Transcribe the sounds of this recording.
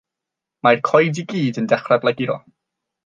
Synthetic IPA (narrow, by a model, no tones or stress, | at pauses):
majrkʰɔjdiɡiːdəndɛχrɛblˠɛɡiɾɔ̰